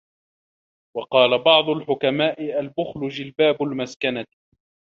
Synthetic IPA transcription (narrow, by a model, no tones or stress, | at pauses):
wɑqɑːlabɑʕd̪ˤʊlħʊkamaːʔɪʔalbʊxlʊd͡ʒɪlbaːbʊlmaskana